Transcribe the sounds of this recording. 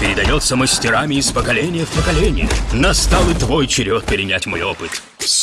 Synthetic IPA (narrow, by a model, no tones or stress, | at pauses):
pʲɪɾʲɪd̪ɐjot̪səməsʲtʲɪɾamʲɪːspəkɐlʲenʲɪjəfpəkɐlʲenʲɪ̰jə̰nɐst̪alˠɨt̪vojt͡ɕɪɾʲot̪̚pʲɪɾʲɪnʲætʲmo̞jopɨt̪